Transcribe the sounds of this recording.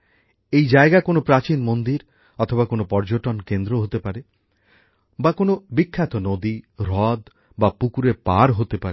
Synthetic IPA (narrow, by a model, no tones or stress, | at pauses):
ejd͡ʒaeɡakonopɾat͡ɕinmond̪iɾ | ɔt̪ʰobakonopɔɾd͡ʒoʈɔnkend̪ɾoɦot̪epaɾe | bakonobikʰːat̪ɔnod̪iɾɔd̪ | bapukuɾepaɾɦot̪epaɾe